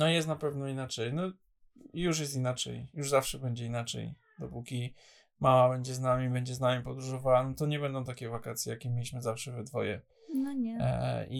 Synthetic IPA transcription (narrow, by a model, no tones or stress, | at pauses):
nɔjɛst̪napɛvnɔinat͡ʂɛjnɔ | juʂ̬jɛst̪inat͡ʂɛ̰jjuʐzafʂɛbɛɲd͡ʑɛinat͡ʂɛ̰j | d̪ɔpukʲi | mamabɛɲd͡ʑɛznamʲibɛɲd͡ʑɛznamʲipɔd̪ɾuʐɔvawanɔt̪ɔɲɛbɛnd̪ɔ̃w̃t̪akʲɛvakat̪sʲjɛjakʲɛmʲelʲiɕmɘzafʂɛvɛd̪vɔjɛ̰ | ɲɛḭ